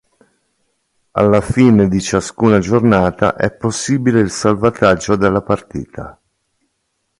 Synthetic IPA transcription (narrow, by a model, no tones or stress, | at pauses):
a̰lːafiːned̪it͡ʃaskuːnad͡ʒornaːt̪a̰ʔɛ̰pːosːiːbileilsalvat̪ad͡ʒːod̪elːapart̪ḭːt̪ʰa̰